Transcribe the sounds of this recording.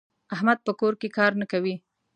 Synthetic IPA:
ahmad̪̚pəkoɾkekɑɾnakawi

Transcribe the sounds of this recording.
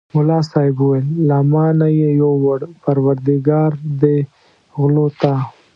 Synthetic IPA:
mʊlɑsɑjɪbuwelːamɑnajejowaɽpaɾwaɾd̪ɪɡɑɾd̪e | ɣlot̪a

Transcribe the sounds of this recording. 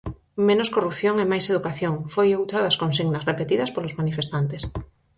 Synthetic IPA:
mẽnoskorupθjoŋemajseðukaθjoŋfojowt̪ɾɐðɐskõns̬iɣnɐsrepet̪iðɐspolozmanifest̪ant̪es

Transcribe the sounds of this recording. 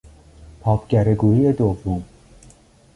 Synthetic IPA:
pʰɒːpʰɟ̥æɾeɡuːɾiːed̪ovːom

